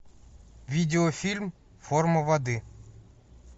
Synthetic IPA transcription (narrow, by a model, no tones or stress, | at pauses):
vʲidʲɪɔfʲilʲm | fɔrmɐʋɐd̪ɨ